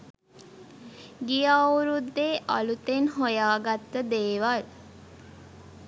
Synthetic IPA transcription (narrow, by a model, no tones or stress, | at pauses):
ɡijauɾud̪ːeːʔa̰lut̪enɦojaːɡat̪ːəd̪eːʋal